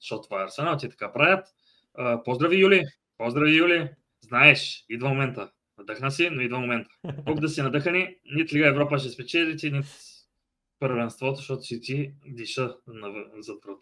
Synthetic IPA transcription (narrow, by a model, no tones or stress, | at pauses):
ʃɔt̪ːvaɐɾsɛnalˠt̪ʲit̪ɐ̥kapɾavʲjət̪ | əpozd̪ɾɐvijuli | pɔzd̪ɾɐvijuli | znaɛʃid̪vəmomɛnt̪ə | nɐd̪ɤxnəsinoid̪vəmomɛnt̪ə̥pɔkd̪ɐsinɐd̪ɤxəninit̪lʲiɡəɛvɾɔpəʃ̬ɛspɛt͡ʃɛd̪t̪ʲinit̪ | pəɾvɛnst̪vɔt̪oʃt̪ɔt̪ʊ̥ʃɛt̪id̪iʃənɐvzɐt̪ɾət̪